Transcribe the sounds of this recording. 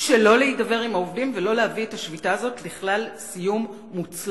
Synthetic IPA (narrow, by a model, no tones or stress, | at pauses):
ʃelo̞leitdabe̞ʁimaovdimvelo̞leɦavietaʃvitaːzo̞tliχlalsijumː | ut͡sl